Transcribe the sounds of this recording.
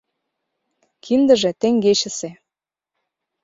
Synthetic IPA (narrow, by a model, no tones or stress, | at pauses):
kʰind̪ə̆ʒĕt̪eŋɡet͡ɕə̆se